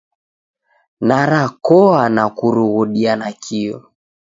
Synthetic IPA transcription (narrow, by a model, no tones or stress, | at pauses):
naɾakɔanakuɾuɣuɗianakʰiɔ̰